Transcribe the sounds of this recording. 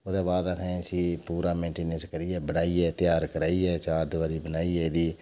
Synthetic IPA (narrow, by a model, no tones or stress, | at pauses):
od̪eːbaːd̪akʰẽːsiːpuːɾaːmẽːɳʈeːnənskəɾiːɛːbənaːiːɛːt̪ɪjaːɾkəɾaːiːɛːt͡ʃaːɾd̪ʊʋaːɾiːbənaːiːɛːd̪iː